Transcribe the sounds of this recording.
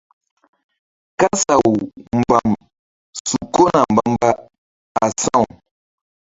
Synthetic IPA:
ka˦sa˨wu˨mba˨m | ssu˨ko˦na˨m̩˨ba˨mba˦ | a˨sã˦˨

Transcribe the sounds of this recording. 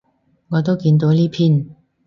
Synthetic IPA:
ŋɔː˨˧t̪o˥wkiː˧nt̪o˨˥wliː˥pʰiː˥n

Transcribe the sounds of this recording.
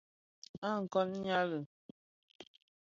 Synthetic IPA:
a˦˨ŋ̩˨kɔ˦n˦ɲa˦lə˨

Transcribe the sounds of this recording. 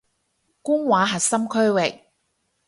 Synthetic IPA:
kʊ˥ŋwaː˨˥ɦɐ˨t̚sɐ˥mkʰɵ˥ɥwɪ˨k̚

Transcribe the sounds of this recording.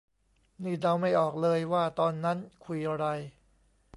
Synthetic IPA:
niː˥˩dɾa˧wma˥˩jʔɔː˨˩k̚lɤː˧jwaː˥˩t̪ɔː˧nːa˦˥nkʰu˧jʔa˧ɾa˧j

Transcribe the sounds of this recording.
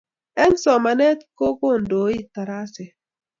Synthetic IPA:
ɛ˦n˦sɔ˨ma˨nɛ˦t̪ko˦ko˦˨n̩˨do˨˦i˦ta˨ɾa˦sɛ˨

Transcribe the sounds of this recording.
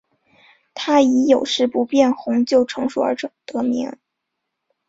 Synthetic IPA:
t̪ʰa˥i˧˥jo˨˩ʊʂɻ̩˥˩pu˧˥pjɛ˥˩nxʊ˧˥ŋt͡ɕjo˥˩ʊʈ͡ʂʰɤ˧˥ŋʂṵ˨˩ə̰˞˧˥ʈ͡ʂʊ˨˩ŋt̪ɤ˧˥mḭ˧˥ŋ

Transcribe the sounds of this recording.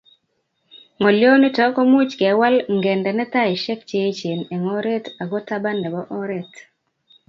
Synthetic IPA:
ŋɔ˨ljo˦ni˦tɔ˦kɔ˦mu˦t͡ʃkɛ˨˦wa˦lŋɡɛ˨ndɛ˨nɛ˦ta˦ɪ˨ʃɛ˦kt͡ʃe˦t͡ʃe˨nɛ˨ŋɔ˦ɾe˦ta˨ɡɔ˦ta˦ba˦nɛ˨bɔ˦ʔɔ˦ɾe˦t

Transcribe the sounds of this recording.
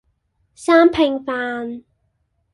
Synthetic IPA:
saː˥mpʰɪ˨˩ŋfaː˨˧n

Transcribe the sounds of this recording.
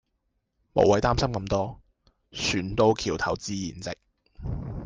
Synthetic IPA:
mo̰˨˩wɐ˨˥jt̪aː˥msɐ˥mkɐ˧mt̪ɔː˥ | sʰyː˨˩nt̪o˧wkʰiː˨˩wt̪ʰɐ̰˨˩wt͡siː˧jiː˨˩nt͡sɪ˨k̚

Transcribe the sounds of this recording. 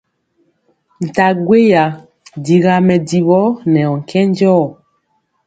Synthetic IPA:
n̩˨ta˨ɡwe˦ja˨ | di˨ɣa˨mɛ˨di˨βɔ˦nɛ˨ɔ˨ŋ̩˨kʰɛ˦n˦d͡ʒɔː˦˨

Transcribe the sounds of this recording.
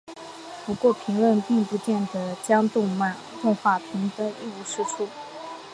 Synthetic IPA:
pu˧˥kwɔ˥˩pʰi˧˥ŋlwə˥˧npi˥˩ŋpu˧˥t͡ɕjɛ˥˩nd̪ə˩t͡ɕjɑ˥ŋt̪ʊ˥˧ŋma˥˩n | t̪ʊ˥˧ŋxwa˥˩pʰi˧˥ŋt̪ə˥i˥˩u˧˥˩ʂu˥˩ʈ͡ʂʰu˥˩

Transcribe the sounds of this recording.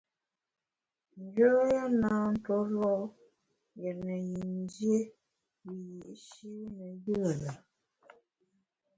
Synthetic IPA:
n˦d͡ʒə˦ja˦naː˨˦n̩˦tɔ˦lɔ˦ | jɛ˨nə˨ji˨n˦d͡ʒje˦ | wi˨ji˨ʔʃi˦wnə˨jə˦˨lə˨

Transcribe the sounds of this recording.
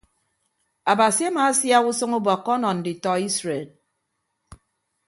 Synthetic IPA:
a˨ba˨si˨a˦maː˨˦sja˦ɣu˦sɨ˦ŋu˦bɔ˨kːɔ˦nɔ˨n̩˨di˨tɔ˨i˦sɾe˨l

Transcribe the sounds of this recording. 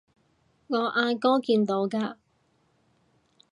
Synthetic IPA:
ŋɔː˨˧ʔaː˧kɔː˥kiː˧nt̪o˨˧˥wkaː˧

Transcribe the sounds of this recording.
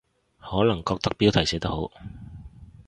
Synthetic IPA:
hɔː˨˥lɐ˨˩ŋkɔː˧k̚t̪ɐ˥k̚piː˥wt̪ʰɐ˨˩jsɛː˨˥t̪ɐ˥ho˨˥w

